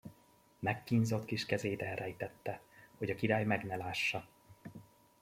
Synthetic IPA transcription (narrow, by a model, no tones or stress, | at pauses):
mɛkːiɲzo̞t̪kiʃkɛzeːd̪ɛrɛjt̪ɛt̪ːɛhoɟɒkiɾaːjmɛɡnɛlaːʃːɒ